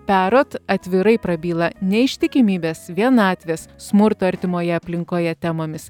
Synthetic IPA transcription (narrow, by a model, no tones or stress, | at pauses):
pʲæːɾoːt̪ɐt̪ʲʋʲɪɾɐɪpɾɐbʲiːlˠɐnʲɛɪʃʲt̪ʲɪkʲɪmʲiːbʲeːsʋʲiɛnɑːt̪ʲʋʲeːssmʊɾt̪oɐɾʲt̪ʲɪmoːjɛɐpʲlʲɪŋkoːjɛt̪ʲɛmoːmʲɪs